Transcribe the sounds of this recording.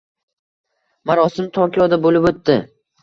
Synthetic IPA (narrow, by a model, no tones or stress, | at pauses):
maɾɒsɪmt̪ʰɒɾkʲjɒd̪abolɪpɵt̪ːɪ